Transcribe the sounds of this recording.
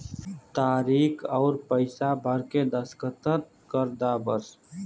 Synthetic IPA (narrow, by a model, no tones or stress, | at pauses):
t̪aːɾiːkʰɔːɾpəɪsabʱəɾked̪əskət̪əɾ | kəɾd̪abəɾs